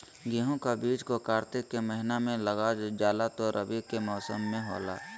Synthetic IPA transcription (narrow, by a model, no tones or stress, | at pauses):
ɡiɦõkabiːd͡ʒkokaːɾt̪ɪkːeməɦɪnamẽləɡad͡ʒd͡ʒaːlat̪oɾʔə̰bikemɔːsəmːẽɦɔ̰ːla̰ː